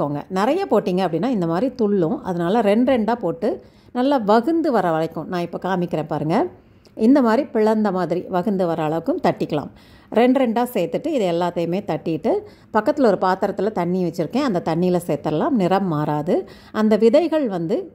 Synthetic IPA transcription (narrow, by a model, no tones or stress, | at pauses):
oːŋɡɐ̰nɪɾɐjɐpoːʈːiːŋɡɐɐpːɐɽɪnːaːɪnd̪ɐmaːd̪ɾit̪ʊɭːʊ̃ɐ̰ðɐnaːlɐɾɛɳɖɾɛɳɖaːpoːʈːɯ | nɐlːɐʋɐɣɯnd̪ɯʋɐɾɐʋɐɭɐɪkːʊ̃nãːɪpːokaːmɪkːɪɾẽːpaːɾɯŋɡɐ | ʔɪnd̪ɐmaːd̪ɾipɪɭɐnd̪ɐmaːðɪɾiʋɐɣɯnd̪ɯʋɐɾɐːɭɐʋɯkːɯmt̪ɐʈːɪkːɐɭa̰ːm | ɾɛɳɖɾɛɳɖaːseːt̪ːɯʈːɯɪðɐɛlːaːt̪ːɐjɯmeːt̪ɐʈːɪjɪʈːɯ | pɐkːɐt̪ːɪlɔɾɯpaːt̪ɐɾɐt̪ːɯlɐt̪ɐɳːiʋɐt͡ʃːɪɾɯkːẽːɐnd̪ɐt̪ɐɳːiɪlɐseːt̪ːɐlaːmnɪɾɐmːaːɾaːðɯ | ʔɐnd̪ɐʋɪðɐɪɣɐɭʋɐnd̪ɯ